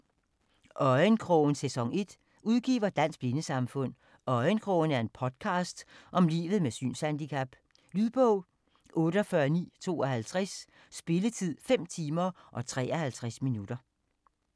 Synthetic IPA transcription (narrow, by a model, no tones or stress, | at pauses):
ʔɒ̽ɪənkʰʁɔʊn̩sesɒ̽ŋe̝d̥ | uðˠɡ̥ḭːʋɐd̥æn̰sɡ̥b̥linəsɑ̈mfɔ̽n̰ | ɒ̽ɪənkʰʁɔʊnæɐe̝npʰɒ̽d̥kʰɑ̈ːsd̥ʔɒ̽mlḭːʋð̩ˠmesy̰ːnshænd̥ikʰæb̥ | lyðˠb̥ɔʊ̰ | ʔɔ̽ːɾ̥əɒfɶːɐnḭːt͡sʰo̝̰ːɒɦælt͡sʰʁas | sb̥e̝lət͡sʰið̰ˠfem̰t͡sʰiːmɐʔɒ̽t͡sʰʁɛ̰ːɐhælt͡sʰʁasminud̥ɐ